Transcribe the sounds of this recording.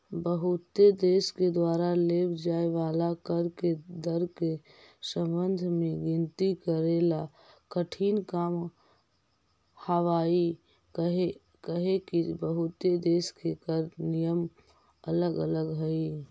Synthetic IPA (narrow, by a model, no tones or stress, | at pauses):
bəɦut̪ed̪esked̪waɾalebd͡ʒaeʋalakəɾked̪əɾke | sə̃mbənd̪ʱmeɡint̪ikəɾela | kəʈʰinkam | həʋai | ɦe | kəɦekibəɦut̪ed̪eskekəɾnijəm | ələɡələɡɦəi